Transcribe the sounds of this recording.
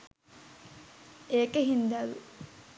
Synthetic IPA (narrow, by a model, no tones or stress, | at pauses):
eːkeɦind̪ælu